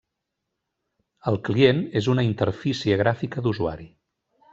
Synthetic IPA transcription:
əlˠklienezunəint̪əɾfisiəɣ̞ɾafikəðuzua̰ɾi

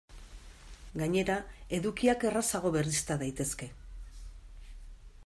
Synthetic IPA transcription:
ɡaɲe̞ɾae̞ðukiake̞rasaɣ̞o̞βe̞rist̪aðajt̪e̞ske̞

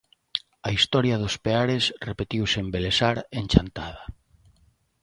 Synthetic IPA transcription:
aist̪ɔɾjað̞ospeaɾesrepet̪iwsembelesaɾenʲt͡ʃant̪að̞a

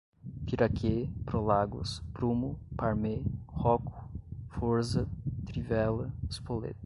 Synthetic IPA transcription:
piɾakʰepɾolaɡʊ̰spɾumʊpaɾmehɔkʊ̥foɾzɐt̪ɾivɛlɐspolḛt̪ɐ̥

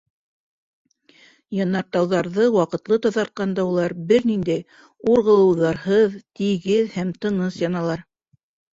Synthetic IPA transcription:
jɑnːɑɾt̪ɑwðɑɾðɤwɑqɤ̆t̪lˠɤt̪ɑðɑɾt̪̚qɑnd̪ɑulˠɑɾbɘɾnind̪æj | uɾʁɤ̆lˠɤ̆wðɑɾɦɤðt̪iɡɘðhæmt̪ɤ̆ɴɤsjɑnɑlˠɑɾ

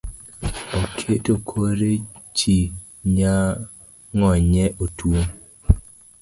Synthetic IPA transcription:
okʰetokʰoɾet͡ʃi | ɲa | ŋɔɲɛʔotwoŋ

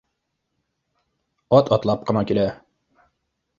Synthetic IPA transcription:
ɒt̪ʰɒt̪lˠɑp̚qʰɨnɑkʲela

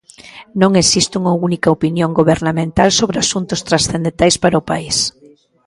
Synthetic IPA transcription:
nõŋesist̪uŋɐunikɐopinjoŋɡoβeɾnamẽnt̪alsoβɾeasunt̪ʊst̪ɾasθend̪ent̪ajspaɾaopais

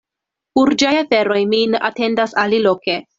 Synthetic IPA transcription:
huɾd͡ʒajafe̞ɾo̞jminʔa̰te̞ndasaliloke

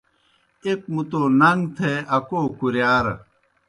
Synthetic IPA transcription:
ek̚mut̪oːnɐŋɡt̪ʰeɐkoːkuɾjaːɾɐ̰

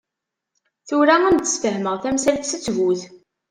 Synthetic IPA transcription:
θuɾaænd̪ə̥sfəɦməʁθæmsælθsət͡sːvuθ

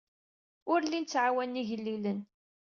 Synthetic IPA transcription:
ʊɾlint͡sːʕawænːiʝəlːilən

